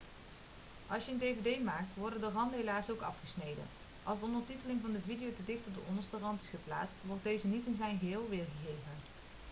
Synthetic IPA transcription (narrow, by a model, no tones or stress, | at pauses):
ʔɑlˠsjəəndejvedejmaːk̚tʋɔɹdəndərɑndəɦelaːsowkɑ̰fχəsnejdə̰n | ʔɑlˠstɔmətitəlɪŋvɑndəvidijowtədɪxtɔp̚b̚dəʔɔndəstərɑntɪ̥sχəpla̰ːtstʋɔɹt̚dejzənitɪnzɛjnɣəɦɪːlˠʋɪːrɣəɣejvən